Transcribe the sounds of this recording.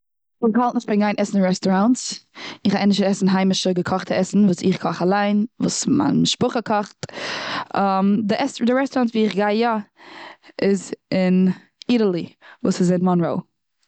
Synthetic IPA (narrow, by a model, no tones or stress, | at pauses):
ɪɡhalˠtnɪʃbɪnɡaɪnʔɛsn̩ɹɛstɔɾantsɪχaʔɛnɪʃtəɾɛsn̩ɦaɪmɪʃəɡəkʰɔχtʰəɛsn̩vuːsɪ̰χkʰɔχalˠaɪnvuːsma̰nmɪʃpʊχəkʰɔχt | amdɪʔɛsdɪɹɛstɔɾantviːɪχɡaɪja | ɪzɪn | iɾəlˠivuːsɪzɪnmɔnɹo̰ʊ